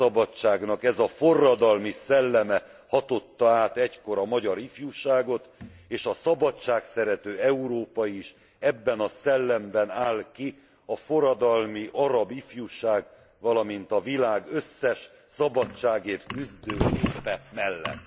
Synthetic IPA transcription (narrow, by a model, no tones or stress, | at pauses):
ɒbɒt͡ʃːaːɡnɒkɛzɒfo̞rːɒd̪ɒlmisɛlːɛmɛ | hɒt̪o̞t̪ːɒaːt̪ɛcko̞ɾɒmɒɟɒɾifjuʃaːɡo̞t̪ | eːʃɒsɒbɒt͡ʃːaːksɛɾɛt̪øːɛuɾoːpɒiʃ | ɛbːɛnɒsɛlːɛmbɛnaːlki | ɒfo̞rɒd̪ɒlmiʔɒɾɒbifjuʃaːɡ | vɒlɒmint̪ɒvilaːɡø̞sːɛʃ | sɒbɒt͡ʃːaːɡeːrt̪kyzd̪øːleːpɛmɛlːɛ̰t̪ː